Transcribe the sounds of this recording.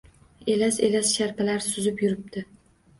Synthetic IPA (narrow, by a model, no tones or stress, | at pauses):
e̞lase̞lasʃaɾpʰalaɾsʊzɪpjʊɾɪp̚t̪ʰɪ